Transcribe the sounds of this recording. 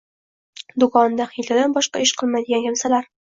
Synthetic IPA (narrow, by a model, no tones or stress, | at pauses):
d̪ʊkɒnd̪aχilʲad̪anbɒʃqɑ̰ɪʃqʰɨlˠmajd̪ɪɡʲankʲʰamsalaɾ